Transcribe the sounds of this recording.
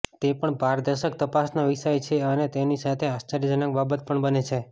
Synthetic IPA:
t̪epəɳbaɾd̪əʃək̚t̪əpasnaʋiʃajt͡ʃʰeənet̪enisat̪ʰeast͡ʃəɾəd͡ʒənək̚babət̪pəɳbənet͡ʃʰe

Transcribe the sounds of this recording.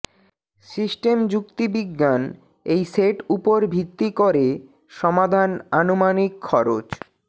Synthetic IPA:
sisʈemd͡ʑuk̚t̪ibiɡːan | ejseʈupoɾbʱit̪ːikoɾe | ʃɔmad̪ʱananomanikʰːɔɾot͡ɕ

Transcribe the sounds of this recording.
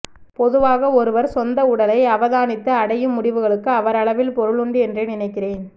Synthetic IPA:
pɔðɯʋaːɣɐɔɾɯʋɐɾsɔnd̪ɐʊɽɐlɐɪɐʋɐðaːnɪt̪ːɯɐɽɐjɯmːʊɽɪʋɯɣɐɭɯkːɯɐʋɐɾɐɭɐʋɪlpɔɾɯɭʊɳɖɯɛndrɐnɪnɐɪkːɪreːn

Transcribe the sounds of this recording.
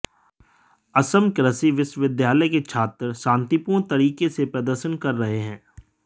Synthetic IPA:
ɐsəmkɾəsiʋɪʃʋɪd̪jaːləjket͡ʃʰaːt̪ɾsãːnt̪ipuːɽ̃t̪ɐɾiːkesepɾəd̪əɾʃənkɐɾːɐɦeɦɛ̃ː

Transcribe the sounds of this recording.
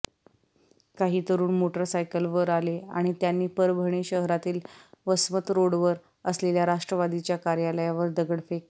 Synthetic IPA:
kaɦiːt̪əɾuːnmoʈəɾsajkəlʋəɾalea̰ɽ̃it̪janːiːpəɾbʱəɽ̃eɕəɦɾat̪iːlʋəsmət̪ɾoɽʋəɾ | əsleljaɾaʂʈɾəʋad̪it͡ɕjakaɾjaləjaʋəɾd̪əɡəɽfek

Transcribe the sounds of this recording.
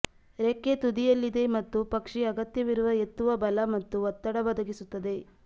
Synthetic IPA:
ɾekːet̪ud̪ijɐlːid̪e̞mɐt̪ːupɐkʂiɐɡɐt̪jɐʋiɾuʋɐe̞t̪ːuʋɐbɐlɐmɐt̪ːuʋɐt̪ːɐɽɐʋɐd̪ʱɐɡisut̪ːɐd̪e̞

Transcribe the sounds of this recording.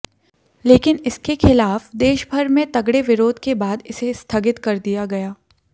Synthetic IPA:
leːkɪnɪskexɪlaːfd̪eːʃbʱɐɾmẽt̪ɐɡɽeʋɪɾoːd̪ʱkebaːd̪ɪsest̪ʰaːɡɪt̪kɐɾd̪ijaɡɐjaː

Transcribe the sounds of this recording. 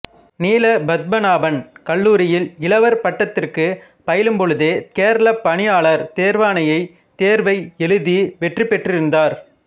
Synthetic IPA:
niːlɐbɐd̪̚bɐnaːbɐnkɐɭːuːɾɪjɪlɪlɐʋɐɾpɐʈːɐt̪ːɪrkɯ | pɐjɪlɯmpɔɻɯðeːkeːɾɐlɐpːɐɳɪjaːɭɐɾt̪eːɾʋaːnɐjɐɪ | t̪eːɾʋɐɪɛlɯðiʋɛʈrɯpːɛʈrɪɾɯnd̪aːɾ

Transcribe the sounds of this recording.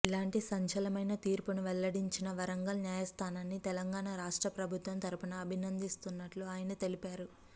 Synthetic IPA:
ilaːɳʈisɐɲt͡ʃɐlɐmɐjnɐt̪iːɾpunuʋɛlːɐɽiɲt͡ʃinɐʋɐɾɐŋɡɐlnjaːjɐst̪ʰaːnaːnːit̪ɛlɐŋɡaːɳaɾaːʂʈɾɐpɾɐbʱut̪ʋɐmt̪ɐɾupɐnɐːbʱinɐnd̪ist̪unːɐʈloːaːjɐnɐt̪e̞lipaːɾu

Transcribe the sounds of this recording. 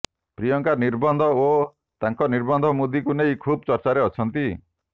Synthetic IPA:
pɾijɔŋkaɾniɾbɔnd̪ʱɔo | t̪aŋkɔniɾbɔnd̪ʱɔmud̪ʱikunejkʰubɔt͡ʃɔɾt͡ʃaɾeɔt͡ʃʰɔnt̪i

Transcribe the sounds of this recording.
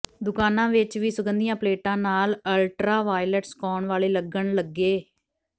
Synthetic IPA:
d̪ʊkaːnãːʋɪt͡ʃʋiːsəɡənd̪ijãːpleːʈãːnaːləlʈɾaːʋaːɪləʈskɔːɳʋaːleːləɡəɳləɡːeː

